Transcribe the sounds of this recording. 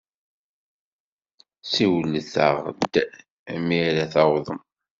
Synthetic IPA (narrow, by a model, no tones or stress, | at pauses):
siwləθə̰ʁd̪ | miɾæθɑwðˤəm